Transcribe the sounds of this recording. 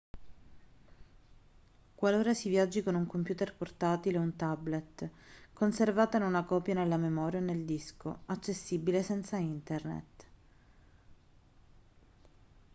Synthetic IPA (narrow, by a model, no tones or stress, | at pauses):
kwaloːɾasivjad͡ʒːikonuŋkompjuːt̪erport̪aːt̪ileunt̪ablet̪konservaːt̪ainunakɔːpjanelːamemɔːɾjaoneld̪isko̰at͡ʃːesːibilesɛnt̪saint̪ernḛt̪